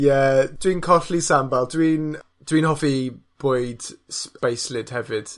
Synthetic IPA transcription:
jɛd̥winkʰɔɬlisambalˠdwin | d̥wiːnhɔfib̥ʊɨd̥spejslɪd̥hɛvɪd̥

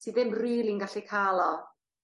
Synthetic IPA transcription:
tʰiðɪmriːlinɡaɬikʰaːlˠɔ

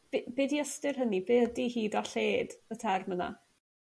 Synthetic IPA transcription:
b̥bɪːdiəstɪrɦənibeədihiːdaɬeːdətʰɛrməna̰

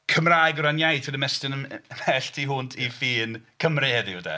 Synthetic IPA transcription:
kʰəmraːjɡɔɾanjajdʰədəmɛstənəmɛɬtʰiɦuːndʰifiːnkʰəmrɨhɛðɨəda̰

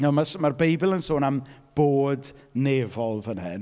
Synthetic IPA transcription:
ɛmasmarbejbɪlˠənsoːnamb̥oːdneːvɔlˠvənɦɨ̰n

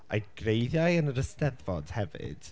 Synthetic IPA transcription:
a̰jɡ̥rejðjajənəɾəstɛðvɔd̥hɛvɪ̰d̥

